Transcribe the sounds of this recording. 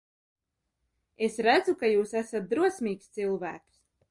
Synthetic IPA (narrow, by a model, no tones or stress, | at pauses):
esɾæd̪zukajuːsæsat̪̚d̪ɾuɔsʲmʲiːkst̪silˠvæ̰ːks